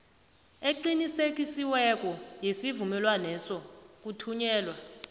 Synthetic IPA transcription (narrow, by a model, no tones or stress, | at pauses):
eǃinisek̬ʼisiwɛk̬ʼɔjesivumɛlwanɛsɔk̬utʰuɲɛːlwa